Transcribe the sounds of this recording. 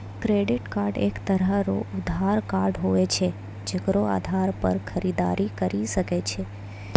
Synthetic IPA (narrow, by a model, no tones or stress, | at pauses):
kɾeɖɪʈkaɾɖḛkt̪əɾəɾoʊd̪ʱaɾkaɾɖɦoet͡ʃʰe | d͡ʒəɡɾoa̰d̪ʱaɾpə̰ɾkʰəɾid̪a̰ɾikəɾiʃəket͡ʃʰe